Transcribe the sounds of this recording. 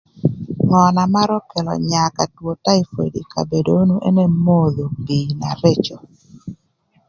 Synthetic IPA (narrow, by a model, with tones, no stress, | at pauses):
ŋɔ˨na˨ma˦ɾɔ˦kɛ˨lɔ̰˨ɲa˨ka˨two˨ta˦i˨fḛ˨di˨ka̰˨be˨do˦nu˦ʔɛ˦ne˦mo˦ðo˨bi˨na˨ɾe˦t͡ʃo˨